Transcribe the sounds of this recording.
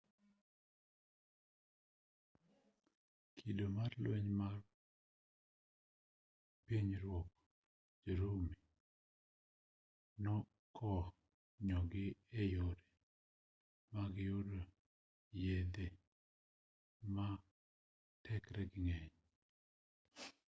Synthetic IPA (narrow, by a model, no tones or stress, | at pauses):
kʰidomarlweɲmar | piɲɾwɔk | d͡ʒoɾomi | nɔ | kʰɔ | ɲɔɡɪejoɾe | maɡɪodo | jed̪e | ma | tʰɛkɾɛɡɪŋɛɲ